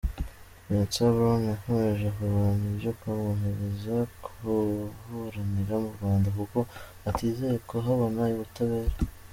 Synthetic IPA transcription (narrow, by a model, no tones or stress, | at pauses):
net͡siaβɾoŋahoeʒakuɾβaniʒekaβuɦeβezakʰuhuɾaniɾaumuɾɡwaːndakuko̞ | atiːze̞jekoɦaβo̞najuβutaβe̞ːɾe